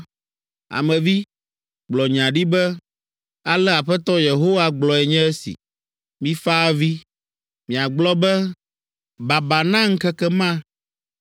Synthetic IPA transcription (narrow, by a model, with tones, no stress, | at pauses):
a̰˨mɛ̃˨vi˦ | ɡ͡blɔ˨ɲ˨ã˨ɖi˦bɛ˦ | a˨lɛ˦a˨ɸɛ˦t̪ɔ˦je˨ɦo˦wa˦ɡ͡blɔ˨ɛ˨ɲɛ̃˦ɛ˦sḭ˨ | mĩ˦fa˦vi˦ | mĩ˨a˨ɡ͡blɔ˦bɛ˦ | ba˨ba˨nã˦ŋ̩˦kɛ˦kɛ˦mã˦